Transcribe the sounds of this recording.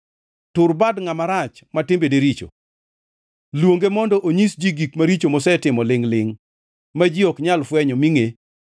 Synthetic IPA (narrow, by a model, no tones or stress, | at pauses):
tʊɾbadŋamaɾat͡ʃmatɪmbedeɾit͡ʃo̰ | lwoŋɡemɔndɔʔoɲisd͡ʒiɡikmaɾit͡ʃomɔsɛtɪmɔlɪŋlɪŋ | mad͡ʒiɔkɲalfwɛɲɔmiŋe